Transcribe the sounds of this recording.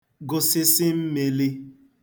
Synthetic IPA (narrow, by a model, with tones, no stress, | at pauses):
ɡʊ˨sɪ˦sɪ˦m̩˦me˨li˦